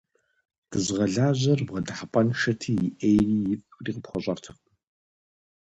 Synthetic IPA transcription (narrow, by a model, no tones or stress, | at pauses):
d̥ɨzʁɐɮaːʑɐrbʁɐdɨħapʼɐnʃɐtʰiːjɪʔejriːjɪfriːqəpχʷɔɕʼɐrtʰɨq